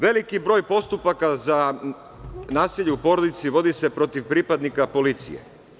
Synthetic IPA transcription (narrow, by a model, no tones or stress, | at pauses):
ʋe̞likibɾo̞ːjpo̞st̪upakaza | naːsiʎɛupo̞ɾod̪it̪siʋo̞d̪ise̞pɾo̞t̪iʋpɾipad̪nikapo̞lit̪sḭje̞̰